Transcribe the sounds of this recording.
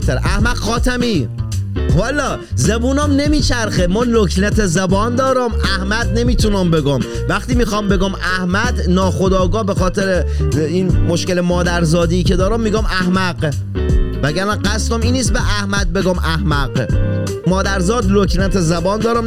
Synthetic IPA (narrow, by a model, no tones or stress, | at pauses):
t̪eɾʔæhmædxɒːt̪ʰæmiː | hɒlːɒː | zebuːnɒmne̞miːt͡ʃʰæɾxemɒːlokʰnæt̪ʰezæbɒːnd̪ɒːɾɒmʔæhmæd̪̚ne̞miːt̪ʰunɒmbe̞ɡɒm | væχt̪iːmiːxɒːmbeɡɒmʔæhmæd̪nɒːxod̪ɒːɡɒːbe̞xɒːt̪ʰeɾeiːnmoʃkelemɒːd̪æɾzɒːd̪iːcʰed̪ɒːɾɒmːiːɡɒːmʔæhmæɢ | mæɟæɾmænɢæst̪omiːnːiːst̪beʔæhmæd̪̚beɡɒːmʔæhmæɡ | mɒːd̪æɾzɒːd̪loknæt̪ʰezæbɒːnd̪ɒːɾɑm